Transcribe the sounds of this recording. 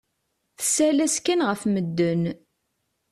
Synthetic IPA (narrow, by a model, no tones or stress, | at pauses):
θə̥sælæskænʁəfməd̪ːən